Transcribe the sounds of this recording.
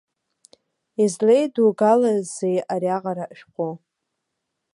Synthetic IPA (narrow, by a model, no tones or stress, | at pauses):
izlejduɡalazzejʔaɾiaʁaɾaʔʃᶣqʷo